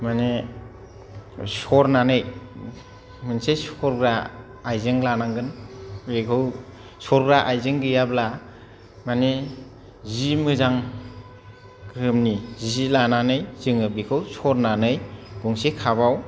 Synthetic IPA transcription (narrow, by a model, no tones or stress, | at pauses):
mane | sɔɾnanɯj | mɯnsesɔɾɡɾaː | jzɯŋlanaŋɡɯnbekʰɯw | sɔɾɡɾaʔajzɯŋɡɯjabla | mane | zimɯzaŋ | kɯmnizizilananɯjzɯŋɯbikʰɯwsɔɾnanɯjɡ̥uŋsekʰabaw